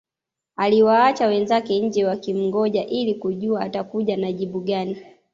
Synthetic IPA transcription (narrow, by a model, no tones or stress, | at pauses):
aliwaat͡ʃawɛnzakɛɲ̩d͡ʒɛwakim̩ŋɡɔʄaʔilikuʄuaːtakuʄanaʄiɓuɠani